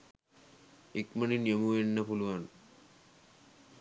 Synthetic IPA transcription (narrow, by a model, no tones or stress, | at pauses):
ikməninjəmuenːɐpuluan